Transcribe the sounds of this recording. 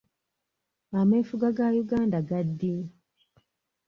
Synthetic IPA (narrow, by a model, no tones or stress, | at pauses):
amefuɡaɡajuɡaːndaɡadːi